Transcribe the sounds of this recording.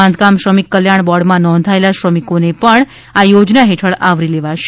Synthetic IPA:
ãnd̪kamʃɾəmikːəljaɳbɔɽmãnɔ̃nd̪ʱaelaʃɾəmikonepəɳ | ajod͡ʒnaɦeʈʰəɭaʋɾileʋaʃ

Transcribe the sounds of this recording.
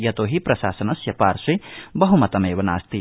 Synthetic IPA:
jɐt̪oːɦipɾɐʃa̰ːsɐnɐsjɐpaːɾswibɐɦumɐt̪ɐmeːʋɐna̰ːst̪i

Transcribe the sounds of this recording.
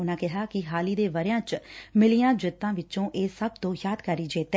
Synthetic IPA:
ʊnãːkɪɦaːkɪɦaːliːd̪eːʋəɾjãːt͡ʃmɪlijãːd͡ʒɪt̪ːãːʋɪt͡ʃõːʔeːsəbt̪õːjaːd̪kəɾiːd͡ʒeːt̪ː

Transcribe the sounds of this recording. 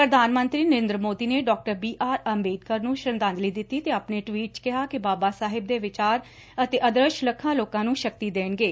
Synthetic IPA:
pɾəd̪ʱaːnmənt̪ɾiːnəɾeːnd̪ɾəmoːd̪iːneːɖɔːk̚ʈəɾbiːʔaːɾəmbeːd̪̚kəɾnũːʃənd̪ãːnd̪liːd̪ɪt̪ːiːt̪eːaːpneːʈʋiːʈ̚t͡ʃkɪɦaːkɪbaːbaːsaːɦɪb̚d̪eːʋɪt͡ʃaːɾ | ət̪eːʔəd̪ɾəʃləkʰːãːloːkãːnũːʃək̚t̪iːd̪eːnɡeː

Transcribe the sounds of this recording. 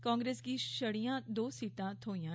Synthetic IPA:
kaːŋɡɾeːskiːʃəɽijãːd̪oːsiːt̪ãːt̪ʰoːijãː

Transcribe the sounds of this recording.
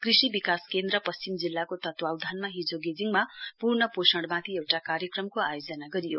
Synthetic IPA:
krisibikaskend̪ɾʌpʌst͡ɕimd͡zilːakot̪ʌt̪wawd̪ʱanmaɦid͡zoɡed͡ziŋmapurnʌposʌɳɽmat̪ʰiewʈakaɾjʌkrʌmkoajod͡zʌnaɡʌɾijo̰

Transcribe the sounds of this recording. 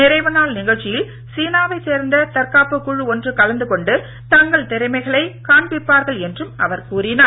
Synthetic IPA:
nɪɾɐɪʋɯnaːɭnɪɣɐɭt͡ʃːɪjɪl | siːnaːʋɐɪseːɾnd̪ɐt̪ɐɾkaːpɯkːʊɻɯɔndrɯkɐlɐnd̪ɯkɔɳɖɯ | t̪ɐŋɡɐɭt̪ɛɾɐɪmɐɪɣɐɭɐɪkaːɳbɪpːaːɾɣɐɭɛndrɯmɐʋɐɾkuːɾɪnaː

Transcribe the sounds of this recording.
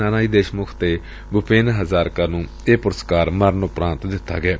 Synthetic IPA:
aːnaːiːd̪eːʃmʊkʰt̪eː | bʊpʰeːnɦəzaːɾkəɾnũː | eːpʊɾəskaːɾməɾnoːpɾãːnt̪d̪ɪt̪ʰːa̰ːɡɪaː

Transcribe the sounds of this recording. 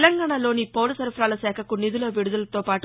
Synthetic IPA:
lɐŋɡaːɳalo̞ːnipoːlɐsɐɾpʰɾaːlɐsɛːkʰɐkunid̪uloːʋiɽud̪ɐlɐt̪oːpaːʈ

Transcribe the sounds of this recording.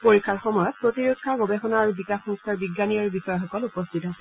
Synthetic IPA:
poɹikʰːaɹxɔmɔjɔt̚pɹotiɹukʰːaɡɔbexɔnaɹbikaxɔŋstʰaɹbiɡːanijɔɹbixɔjɔxɔkɔlupɔstʰitɦasɛ

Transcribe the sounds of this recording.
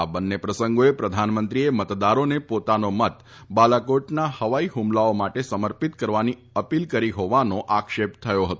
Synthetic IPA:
abənːepɾəsəŋɡoepɾəd̪ʱanmənt̪ɾiemət̪d̪aɾonepot̪anomət̪ | balakoʈnahəʋaiɦumlaomaʈesəməɾpit̪kəɾʋani | əpilkəɾiɦoʋanoʔakʃept̪ʰəjoɦət̪o

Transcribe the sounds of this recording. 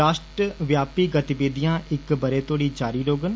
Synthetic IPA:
aːʃʈɾəʋjaːpiːɡət̪ɪʋeːd̪ijãːɪkbəɾeːt̪oːɽiːd͡ʒaːɾiːɾoːɡən

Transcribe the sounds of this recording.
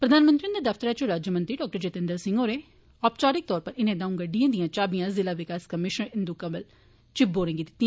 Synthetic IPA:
pɾəd̪aːnmənt̪ɾĩnd̪eːd̪əfʰt̪əɾaːt͡ʃʊɾaːd͡ʒəmə̃nt̪ɾiːɖɔːk̚ʈəɾd͡ʒeːt̪ɪnd̪əɾsɪ̃ŋɡoːɾeː | ɔːpt͡ʃaːɾɪk̚t̪ɔːɾpəɾɪnẽːd̪ãːũːɡəɖːijãːd̪ijãːt͡ʃaːbijãːzɪlaːʋɪkaːskəmɪʃəɾɪnd̪ukãːʋəl | t͡ʃɪbboːɾẽːŋɡid̪ɪt̪ːĩãː

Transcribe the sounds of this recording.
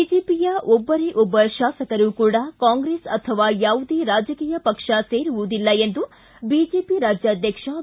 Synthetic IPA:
id͡ʒeːpijɐʔɔbːɐɾeʔubɐʃaːsɐkɐɾukuːɽɐkaːŋɡɾeːsɐt̪ʰɐʋaːjaːʋud̪eːɾaːd͡ʒɐkiːjɐpɐkʂɐse̞ːɾuʋud̪ilːɐend̪u | biːd͡ʒeːpiɾaːd͡ʒjaːd̪ʱjɐkʂɐ

